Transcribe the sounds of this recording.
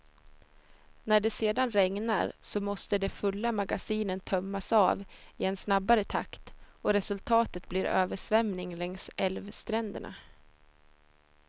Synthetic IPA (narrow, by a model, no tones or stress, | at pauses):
næɖɛseːd̪anɾɛŋna̰ɾsɔmɔst̪əd̪ɛfɵlːamaɡasiːnənt̪ʰœmːasɑːvɪɛnsnabːaɾət̪ʰa̰kt̪ɔɾɛsɵlt̪ʰɑːt̪ət̪̚bliɾø̰ːvəʂvɛmnɪŋlɛŋsɛlvst̪ɾɛnd̪ə̰ɳa̰